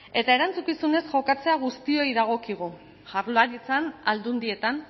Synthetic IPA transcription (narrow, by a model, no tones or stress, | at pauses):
e̞t̪ae̞ɾant͡sukisune̞sʝo̞kat͡se̞aɣ̞ust̪io̞jðaɣ̞o̞kiɣ̞u | ʝaɾlaɾit͡sanald̪und̪ie̞t̪an